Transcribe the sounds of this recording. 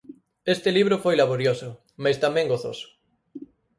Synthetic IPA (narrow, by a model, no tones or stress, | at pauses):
est̪ɪliβ̞ɾofojlaβ̞oɾjosʊ | majst̪amɛ̃ŋɡoθosʊ̥